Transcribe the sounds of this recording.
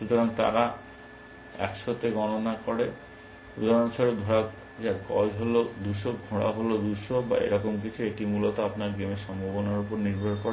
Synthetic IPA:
ʃut̪ɔɾaŋt̪a̰ɾa | ɛ̰ksot̪eɡɔnonakɔɽe | ɾud̪ʱaɾɔnt͡ʃʰaɾod̪ʱɔɽa | d͡ʒakɔ̰lɦolod̪uʃoɡʱoɽa̰ɦolod̪uʃoba̰ḛɾɔkɔmk̬it͡ʃʰueʈimulɔt̪ɔapnaɾɡemeʃɔmbʱobɔnaɾupɔɾniɾbʱɔɾkɔɽe

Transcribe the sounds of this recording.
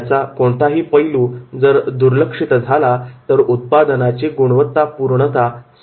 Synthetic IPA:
t͡sakoɳt̪aɦiːpəjluːd͡zəɾd̪uɾləkʂit̪d͡zʱalat̪əɾut̪̚pad̪ənat͡ɕiɡuɽ̃ʋət̪ːapuɾɳət̪as

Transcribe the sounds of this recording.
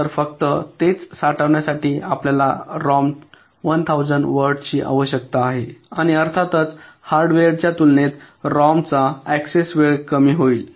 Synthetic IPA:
əɾfək̚t̪ət̪et͡ssaʈəʋɳjasaʈiːapljalaɾɔm | ʋənt̪ʰawd͡zəɳɖʋəɾɖt͡ɕiːʔa̰ʋəɕjək̚t̪aːɦeaɽ̃iəɾt̪ʰat̪ət͡shaɾɖʋeɽt͡ɕjat̪ulnet̪ | ɾɔmt͡saæksesʋeɭkəmiːɦoil

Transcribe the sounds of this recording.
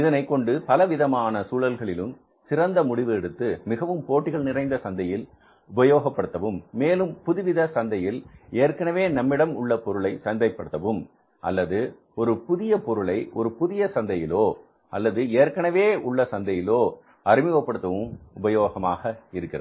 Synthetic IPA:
ɪðɐnɐɪkːɔɳɖɯpɐlɐʋɪðɐmaːnɐsuːlɐlɣɐɭɪlɯm | sɪrɐnd̪ɐmʊɽɪʋɯɛɽɯt̪ːɯmɪɣɐʋɯmpoːʈːɪɣɐɭnɪrɐɪnd̪ɐsɐnd̪ɐjɪl | ʊbɐjoːɣɐpːɐɽɯt̪ːɐʋɯmːeːlɯmpʊðɪʋɪðɐsɐnd̪ɐjɪleːɾkɐɳɐʋeːnɐmːɪɽɐmʊɭːɐpɔɾɯɭɐɪsɐnd̪ɐɪpːɐɽɯt̪ːɐʋɯm | ʔɐ̰lːɐðɯ | ɔɾɯpʊðɪjɐpɔɾɯɭɐɪʔɔ̰ɾɯpʊðɪjɐsɐnd̪ɐjɪloː | ɐlːɐðɯeːɾkɐɳɐʋeːʊɭːɐsɐnd̪ɐjɪloː | ɐɾɪmɪʋɐpːɐɽɯt̪ːɐʋɯmʊbɐjoːɣɐmaːɣɐɪɾɯkːɪrɐ̰

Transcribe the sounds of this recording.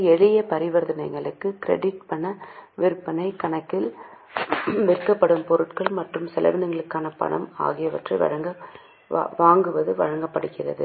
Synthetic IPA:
ɛɻɪjɐpɐɾɪʋɐɾðɐnɐɪɣɐɭɯkːɯkɪɾɛ̰ɽɪʈ̚pɐɳːɐʋɪɾɯpːɐnɐɪkɐɳɐkːɪl | ʋɪɾkːɐpːɐɽɯmpɔɾɯʈkɐɭmɐʈrɯmsɛlɐ̰ʋɪnɐŋɡɐɭɯkːaːnɐpɐ̰ɳɐ̰ma̰ːɣɪjɐʋɐʈrɐɪʋɐ̰ɻɐŋɡɐ̰ | ʋaːŋɡɯʋɐðɯʋɐ̰ɻɐŋɡɐpːɐɽɯkːɪrɐ̰ðɯ

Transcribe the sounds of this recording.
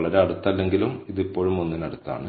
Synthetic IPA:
ɭɐɾeɐɽut̪ːɐlːe̞ŋɡilumiðipːo̞ːɻumo̞nːinɐɽut̪ːa̰ːɳɨ

